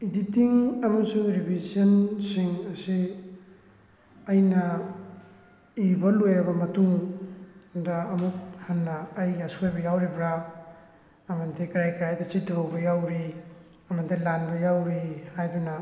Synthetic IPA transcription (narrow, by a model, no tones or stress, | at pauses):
iditiŋɐmɐsuŋɾibʱiziɐnsiŋɐsi | ɐjnɐ | ibɐlojɾɐbɐmɐtuŋ | dɐːmuk̚hɐnːɐːjasojbɐjawɾibɾa | ɐmɐndikɾajkɾajdɐsidʱowbɐjawɾi | ɐmɐndilanbɐjawɾihajdunɐ